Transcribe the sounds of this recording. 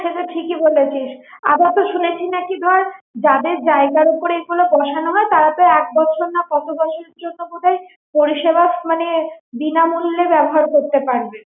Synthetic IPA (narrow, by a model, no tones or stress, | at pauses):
ʃet̪oʈʰikibolet͡ɕʰiʃ | a̰bat̪oʃunet͡ɕʰinakid̪ʱɔɾd͡ʑad̪eɾd͡ʑaeɡaɾupoɾejɡulobɔʃanoɦɔet̪aɾat̪oɛk̚bɔt͡ɕʰoɾnakɔt̪ʰobɔt͡ɕʰoneɾd͡ʑonːobod̪ʱaj | poɾiʃebamaned̪inamulːebɛboɦaɾkoɾt̪epaɾbe